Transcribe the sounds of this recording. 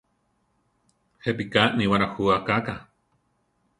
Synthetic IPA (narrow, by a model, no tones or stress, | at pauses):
hep̬ikaʔniwaɾahuakaka